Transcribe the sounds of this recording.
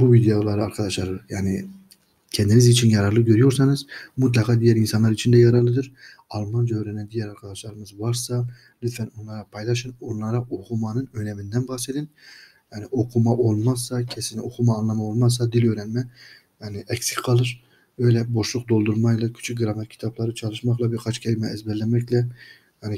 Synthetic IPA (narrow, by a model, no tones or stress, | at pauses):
buvid̪ejolˠɑɾɯɑɾqʰɑd̪ɑʃlˠɑɾɯjaːnɪ | kʲʰɛnd̪inizit͡ʃʰinjɑɾɑɾlˠɯɡʲøɾyjoɾsɑnɯzmut̪̬lˠɑqʰɑd̪ijæɾinsɑnlˠɑɾit͡ʃʰind̪ɛjɑɾɑɾlˠɯd̪ɨɾ | ɑlˠmɑnd͡ʒøɾɛnɛnd̪ijɛɾɑɾqʰɑd̪ɑʃlˠɑɾɯmɯzvɑɾsɑ | lyt̪ʰfɛnonlˠɑɾɑpʰɑjlˠɑʃɯnonlˠɑɾɑʔoqʰumɑnɯnøjlɛmind̪ɛnbɑsed̪ɪn | jɛnɪʔoqʰumɑʔolˠmɑsɑkʲʰɛsɪnɪoqʰumɑːnlˠɑmɑolˠmɑs̬ɑd̪iløjɾɛnmɛ | nɪʔɛkʲsʲqʰɑlˠɯɾ | øjlɛboʃlˠʊqd̪olˠd̪uɾmɑjlˠɑkʲʰy̥t͡ʃʰyɡɾɑmɛt̪kʲʰi̥t̪ʰɑplˠɑɾɯt͡ʃʰɑlˠɯʃmɑχlˠɑbɪɾqʰɑt͡ʃkʲʰɛɾmɛːzbɛllɛnmɛkʲlɛ | jɛnɪ